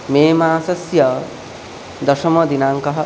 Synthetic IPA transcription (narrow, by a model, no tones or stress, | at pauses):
meːmaːsɐsjɐ | d̪ɐʃɐmɐd̪inaːŋkɐɦɐ